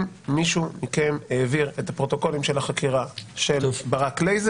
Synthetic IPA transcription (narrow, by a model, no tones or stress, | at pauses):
miʃumikemheːviʁetapʁo̞t̪o̞ko̞limʃelaχakiʁaʃelbaʁaklejz